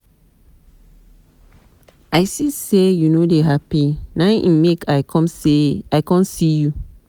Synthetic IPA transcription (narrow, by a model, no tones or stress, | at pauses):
aɪsisejunodeɦapinãʔḭ̃mekʰaɪkʰɔ̃mseaɪkɔ̃nsiju